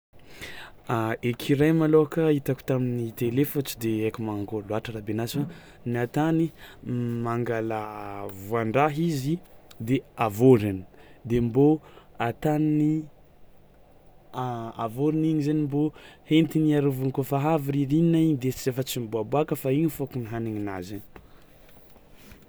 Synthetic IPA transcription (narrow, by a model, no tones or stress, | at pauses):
aekʰiɾajmaloakəit̪aku̥t̪aminit̪elefot͡ʃi̥d̪eekumaŋɡoluaʈ͡ʂəɾabenasa | niat̪ani | maŋɡalavuaɳɖ͡ʐaɦizid̪eavoɾini̥d̪emboat̪anini | avoɾiniɲizanimbohent̪iniaɾuvunkofaɦaviɾiɾininaiɲid̪et͡ʃizefət͡simboabuakəfaiɲifokuniɦaniɲinazin